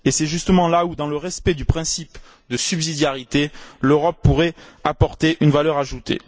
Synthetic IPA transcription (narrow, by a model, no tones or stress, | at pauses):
esɛʒyst̪əmɑ̃laud̪ɑ̃ləʁɛspɛd̪ypχɛ̃sip | d̪əsybzid̪jaʁit̪eløʁɔpːuʁɛapɔʁt̪eʔynvalœʁaʒut̪ḛ